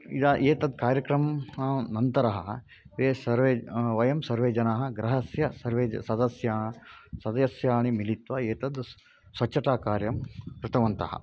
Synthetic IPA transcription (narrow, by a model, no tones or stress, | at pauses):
ḭd̪aʔeːt̪ɐd̪kaːɾjɐkɾɐmnɐnt̪ɐɾɐɦɐ̰ | ʋeːsɐɾʋeːʋɐjɐmsɐɾʋeːd͡ʒɐnaːɦɐ̆ɡɾɐɦɐsjɐsɐɾʋeːd͡ʒɐsɐd̪ɐsjaːsɐd̪ɐjɐsjaːɳimilit̪ʋɐeːt̪ɐd̪ | sʋɐt͡ʃːɐʈaːkaːɾjɐmkɾɪt̪ɐʋɐnt̪ɐ̰ɦɐ̰